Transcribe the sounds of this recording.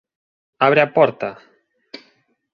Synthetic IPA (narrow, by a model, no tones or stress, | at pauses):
aβɾeapɔɾt̪a